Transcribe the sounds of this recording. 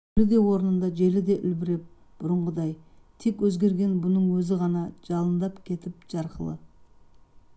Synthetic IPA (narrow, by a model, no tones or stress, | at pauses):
lɪd̪e̞wo̞ɾənənd̪ɑʒe̞lɪd̪e̞ʔʏlbɪɾe̞p̚ | b̥ʊɾəɴʁəd̪ɑj | t̪ʰe̞kwɵzɡʲe̞ɾɡʲe̞nbʊnəɴwɵzɪʁɑnɑʒ̥ɑlˠənd̪ɑpkʲʰe̞t̪ɪp̚ʒɑɾqəlˠə̰